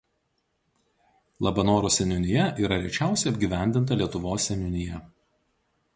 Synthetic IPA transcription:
lˠɐbɐnoːɾoːsʲɛnʲʊnʲɪjɛʔiːɾɐɾʲɛt͡ʃʲæˑʊsʲɛɪɐbʲɡʲiːˑʋʲæˑnʲd̪ʲɪnt̪ɐlʲiɛt̪ʊʋoːsːʲɛnʲʊnʲɪjɛ

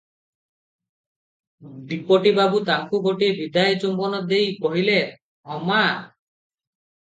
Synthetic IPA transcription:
ɖipɔʈibabut̪aŋkuɡoʈiebid̪ajt͡ʃumbɔnɔd̪ejkɔɦile | ɔma

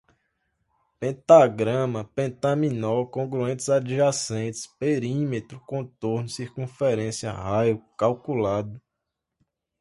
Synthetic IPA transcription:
pẽt̪aɡɾɐ̃mɐpẽt̪ɐ̃mĩnɔkõɡɾuẽnt̪ɪzad͡ʒiʒasẽt̪ɪ̥speɾĩmet̪ɾʊkõt̪oɾnʊsiɾkũfɛɾẽsiɐ̰hajʊkawkulad̪ʊ

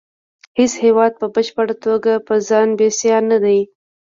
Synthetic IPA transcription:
heshewɑd̪̚pəbəʃpəɽat̪oɡapəzɑnbesjɑnad̪aj

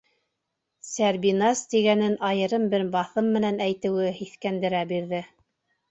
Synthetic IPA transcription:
sæɾbinɑst̪iɡænɘnʔɑjɤ̆ɾɤmbɘɾbɑθɤmːɘ̆nænæjt̪ɘ̆wɘhiθkænd̪ɘ̆ɾæbiɾðɘ

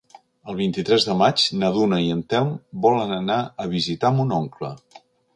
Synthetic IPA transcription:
əlˠβ̞int̪it̪ɾɛzðəmad͡ʒnəðunəiənt̪ɛmbɔlənənaəβ̞izit̪amunoŋklə

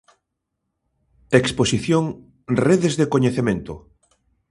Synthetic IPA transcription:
eksposiθjoŋ | reðezðekoɲeθemẽnt̪ʊ

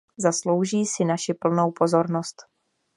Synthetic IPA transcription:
zaslo̞wʒiːsɪnaʃɪpl̩nowpo̞zo̞ɾnost̪

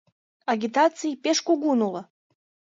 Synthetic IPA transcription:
ɑɡʲit̪ɑt͡sijpeʃkuɣunulə

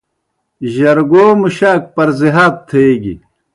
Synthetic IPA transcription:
ʑɐɾɡoːmuɕaːk̚pɐɾziɦaːt̪̚t̪ʰeeɡḭ

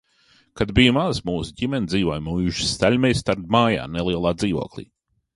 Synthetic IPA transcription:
kad̪bijmazmuːsuɟimɛnʲd̪ziːvoɔjmujuʃst̪ælʲmɛjst̪aɾd̪maːja̰ːnelˠiɛlˠaːd̪ziːʋo̰ɔklˠḭː

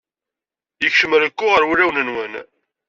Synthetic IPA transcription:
jəçʃəməɾəkʷːʊʁəɾwulæwnənwən

